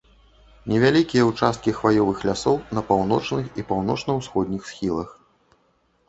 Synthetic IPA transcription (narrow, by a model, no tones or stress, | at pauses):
nʲɛvʲalʲikʲijɐut͡ʂast̪̚kʲixvajɔvɨxlʲasɔwnɐpawnɔt͡ʂnɨxipawnɔt͡ʂnɐwsxɔd̪ʲnʲixsxʲilˠɐx